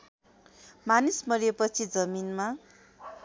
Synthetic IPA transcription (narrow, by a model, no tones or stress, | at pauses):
manismʌɾijepʌt͡sʰid͡zʌminma